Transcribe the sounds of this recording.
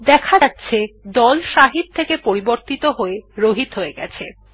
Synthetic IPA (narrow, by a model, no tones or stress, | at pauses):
d̪ɛkʰaatːɕʰed̪ɔlʃaɦit̪̚t̪ʰːekepoɾiboɾt̪it̪oɦoeɾoɦit̪ɦoeɡɛt͡ɕʰe